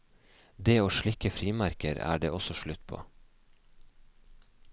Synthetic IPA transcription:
d̪eːoːʃɭɪkəfɾiːmæɾkəɾæ̰ːɖeːɔsɔʃɭʉt̪pʰo̰ː

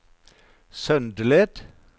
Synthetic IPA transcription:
sœnd̪əled̪̥

